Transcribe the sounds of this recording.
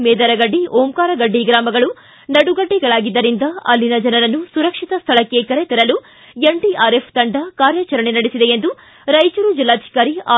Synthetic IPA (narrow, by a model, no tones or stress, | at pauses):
meːd̪ɐɾɐɡɐɖːioːmkaːɾɐɡɐɖːiɡɾaːmɐɡɐɭu | nɐɽuɡɐɖːiɡɐɭaːɡid̪ːɐɾind̪ɐɐ̰lːinɐd͡ʒɐnɐɾɐnːusuɾɐkʂit̪ɐst̪ʰɐɭɐkːe̞kɐɾet̪ɐɾɐlu | jeɳɖiaːɾepʰt̪ɐɳɖɐkaːɾjɐt͡ʃɐɾɐɳenɐɽisid̪eend̪u | ɾɐjt͡ʃuɾud͡ʒilːaːd̪ʱi̥kaːɾiaː